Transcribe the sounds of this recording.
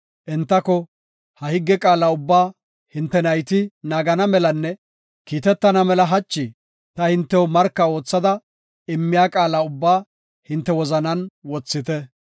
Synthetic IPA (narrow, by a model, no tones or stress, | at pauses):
ʔɪnt̪ːɐkɔ | hɐhɪɡːɛkʼaːlaʊbːaː | hɪnt̪ːɛnɐjt̪ɪnaːɡɐnɐmɛlɐnːɛ | kiːt̪ɛt̪ːɐnɐmɛlɐɦɐt͡ʃːɪ | t̪ɐhɪnt̪ːɛwɔmɐɾkːɐo̞ːt͡sːɐd̪ɐ | ɪmːɪjaːkʼaːlaʊbːaː | hɪnt̪ːɛwɔzɐnɐnwɔt͡sːɪt̪ɛ